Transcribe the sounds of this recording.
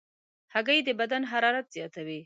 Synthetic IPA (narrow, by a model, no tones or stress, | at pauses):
haɡajed̪əbad̪anɦaɾɑɾat̪z̥jɑt̪awi